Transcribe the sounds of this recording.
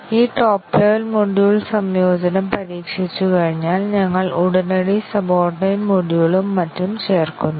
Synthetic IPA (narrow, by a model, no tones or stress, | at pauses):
iːʈoːplɐʋɐlmoɖiuɭsɐmjo̞ːd͡ʑɐnɐmpɐɾiːkʂit͡ɕːukɐɻiɲːaːlɲɐŋːɐɭuɽɐnɐɽisɐbo̞ːrʈnɐjnmoɽiɐɭumːɐtːumt͡ɕe̞ːrkunːu